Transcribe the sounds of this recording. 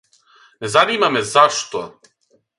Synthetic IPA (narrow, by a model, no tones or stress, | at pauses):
nɛzanimamɛzaʃt̪ɔ